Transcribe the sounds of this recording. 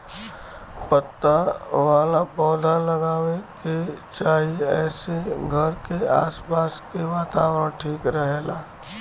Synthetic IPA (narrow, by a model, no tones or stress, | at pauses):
pət̪ːaʋaːlapɔːd̪ʱaləɡaːweket͡ʃaːɦieɛːseɡʱəɾkea̰ːspaːskeʋaːt̪aːwɾə̃ɽʈʰiːkɾəɦeːlaː